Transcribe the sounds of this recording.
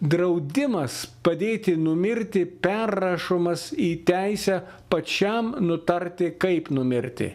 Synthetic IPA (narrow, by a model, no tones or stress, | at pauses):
d̪ɾɐʊd̪ʲɪmɐspɐd̪ʲeːt̪ʲɪnʊmʲɪɾʲt̪ʲɪpʲærːɐʃomɐsiːt̪ʲæɪsʲæː | pɐt͡ʃʲɛmnʊt̪ɐɾʲt̪ʲɪkɐɪpnʊmʲɪɾʲt̪ʲɪ̰